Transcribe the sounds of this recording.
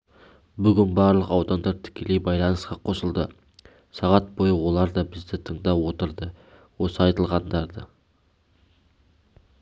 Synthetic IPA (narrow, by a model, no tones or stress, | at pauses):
bʏɡʲɪnbɑɾlˠəqɑwd̪ɑnd̪ɑɾt̪ʰɪ̥kʲʰe̞lejbɑjlˠɑnəsqɑqʰo̞səlˠd̪ə | sɑʁɑt̪̚bo̞jəwo̞lˠɑɾd̪ɑbɪzd̪ɪt̪ʰəɴd̪ɑwo̞t̪əɾd̪ə | wo̞səɑjt̪əlˠʁɑnd̪ɑɾd̪ə